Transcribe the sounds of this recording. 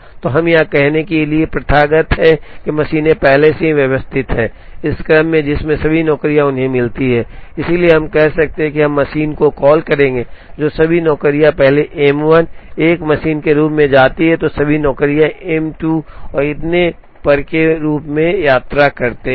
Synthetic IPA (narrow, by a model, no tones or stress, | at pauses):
t̪oɦɐmjakɛɦnekeliepɾɐt̪ʰaːɡət̪ɦɛkemɐʃiːnẽpɛɦleseɦiʋjɐʋəst̪ʰɪt̪ɦɛː | ɪskɾəmːẽd͡ʒɪsmẽsɐbʱinɔːkɾijaʊnɦẽmɪlt̪iɦɛːɪsilieɦɐmkɛɦsɐk̚t̪ẽɦɛ̃kiɦɐ̃mːɐʃiːnkokɔːlkɐɾẽːŋɡed͡ʒoːsɐbʱinɔːkɾijapɛɦleʔɛːmʋəneːkmɐʃiːnkeɾuːpmẽd͡ʒaːt̪iɦɛt̪osɐbʱinɔːkɾijaɛmʈuɔːɾɪt̪ne | pɐɾkeɾuːpmẽjaːt̪ɾakɐɾt̪e